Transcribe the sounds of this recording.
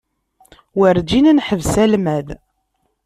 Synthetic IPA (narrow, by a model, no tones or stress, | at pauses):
wəɾd͡ʒinænħəvsælmæð